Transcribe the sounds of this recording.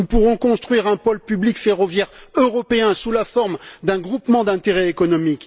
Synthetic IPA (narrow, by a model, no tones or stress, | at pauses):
nupuʁɔ̃kɔ̃st̪χɥiʁɛ̃pɔlpyblikfeʁɔvjɛʁøʁɔpeɛ̃sulafɔʁmd̪ɛ̃ɡʁupmɑ̃d̪ɛ̃t̪eʁɛekɔnɔmik